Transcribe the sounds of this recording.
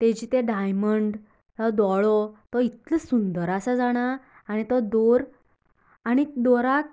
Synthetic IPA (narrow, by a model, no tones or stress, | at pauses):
t̪ed͡ʑit̪eɖajməɳɖ | ɔd̪ɔɭɔt̪ɔit̪ləsund̪əɾasad͡zaɽ̃aː | ɽ̃it̪ɔd̪oɾ | aɽ̃id̪ɔɾak